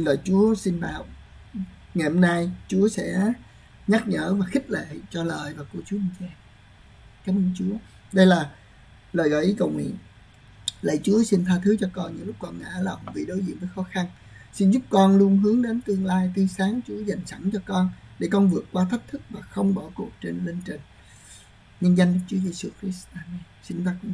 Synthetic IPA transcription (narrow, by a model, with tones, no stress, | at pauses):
nləː˨˩jt͡ɕu˨˦əsi˧nɓa̰ː˧˨w | ŋa˨˩jhɔ˧mnaː˧jt͡ɕu˨˦əsɛ̰˧˥ | ɲa˦˥t̚ɲə̰ː˧˩vaː˨˩xi˦˥k̟̚lḛ˧˨t͡ɕɔ˧ləː˨˩jvaː˨˩ku˧˩ət͡ɕu˨˦əi˧˩ŋt͡ɕɛ˧ | kaː˨˦məː˧nt͡ɕu˨˦ə | ɗə˧jlaː˨˩ | ləː˨˩jɣɔː˨˩jʔi˨˦kə˨˩wŋwḭ˧˨ən | lə̰˧˨jt͡ɕu˨˦əsi˧nt̪ʰaː˧t̪ʰɨ˨˦t͡ɕɔ˧kɔ˧nɲɨ̰˧˥ŋlʊ˦˥k͡p̚kɔ˨˩nŋa̰ː˧˥lə˨˩˨ŋ͡mvḭ˧˨ɗo˨˦jzḭ˧˨nvəː˨˦jxɔ˨˦xa˧n | si˧nzʊ˦˥p̚kɔ˧nlu˧ənɦɨ˨˦əŋɗe˨˦nt̪ɨ˧əŋlaː˧jt̪ʰi˧saː˨˦ŋt͡ɕu˨˦əza˨˩jŋ̟sa˧˩nt͡ɕɔ˧kɔ˧nɗe˧˩kɔ˧nvɨ˨˩ək̚kːwaː˧t̪ʰə˦˥p̚t̪ʰɨ˦˥k̚vaː˨˩xə˧wŋ͡mɓɔ˧˩ku˨˩ək̚t͡ɕe˧nle˧ŋt͡ɕï˨˩ŋ̟ | ɲɨ˧ŋza˧jŋ̟ɗk̚t͡ɕu˨˦əje˧su˧xɾi˦˥st̪aː˧nɛ˧ | si˧nt̪aː˧kʊ̰˧˨ŋ͡m